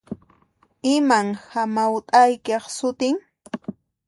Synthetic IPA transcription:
ɪmaŋhamawt̪ʼajkɑχsʊt̪ɪŋ

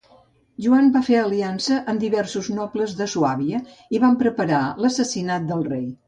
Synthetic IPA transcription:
ʒuambafeəliansəʔəmd̪iβɛrsuznɔpləzðəsuaβiə | iβampɾəpəɾaləsəsinat̪̚d̪əlˠrej

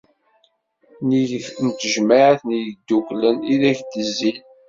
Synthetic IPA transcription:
nint̪əʒmaʕəθnijd̪ːukləniðæçd̪əzːil

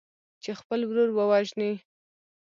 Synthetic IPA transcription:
t͡ʃexpəlwɾuɾbəwɑʒni

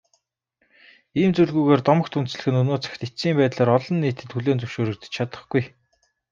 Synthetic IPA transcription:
iːmt͡suɮɣuːɣeːrt̪ɔmə̆kt̪ʰɵn̥t͡sɮɘ̆xɘ̆nɵnoːt͡sḁxt̪esiːmpæːt̪ɮaːɾɔɮɞ̆nːiːt̪ɘ̆t̪xuɮeːnt͡sɵwʃoːɾɵ̆k̚t̪ɘ̥̆t͡ɕt͡ɕʰat̪ə̆χɡ̥uj

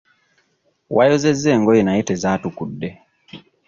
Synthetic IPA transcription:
wʔajɔzɛzɛŋɡɔjɛnaɛtɛzatukudɛ

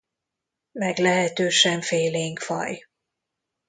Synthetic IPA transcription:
mɛɡlɛɦɛt̪øːʃɛɱfeːleːŋkfɒ̰j

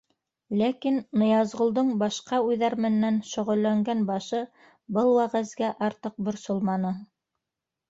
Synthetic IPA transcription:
lækinːɤ̆jɑzʁŏlˠd̪ɤɴbɑʃqɑʉjðæɾmɘ̆nːænʃŏʁɵ̆lːæŋɡænbɑʃɤ | bɤlˠwæʁæzɡæʔɑɾt̪ɤq̚bŏɾsolˠmɑnɤ

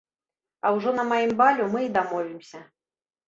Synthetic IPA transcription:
ɐwʐɔnɐmajimbalʲumɨid̪amɔvʲimsʲɐ

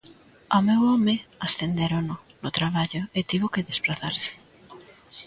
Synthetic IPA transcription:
amewɔmeasθend̪eɾononʊt̪ɾaβaʎʊɪt̪iβʊkɪðespɾaθaɾsɪ̥

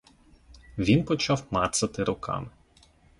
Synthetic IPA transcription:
ʋʲinpɔt͡ʃɑwmɑt̪sɐt̪ɪɾʊkʰɑ̰mɪ

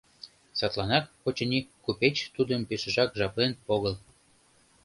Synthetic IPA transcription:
sɑt̪lˠɑnɑkpot͡ɕĕnʲikːupet͡ɕt̪ud̪əmpeʃə̆ʒɑkʒɑplenpoɣəl

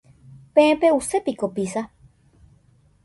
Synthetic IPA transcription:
pẽẽpeusepikopisa

